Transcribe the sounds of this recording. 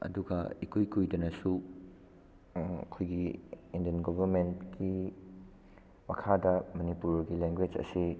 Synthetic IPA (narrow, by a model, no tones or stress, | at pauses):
ɐ̰duɡɐ̰ikʰujkujdɐnɐsu | ɐ̰kʰojɡiindiɐnɡobʱɐɾmentki | mɐkʰadɐmɐnipuɾɾɡileŋɡwed͡ʒɐ̰si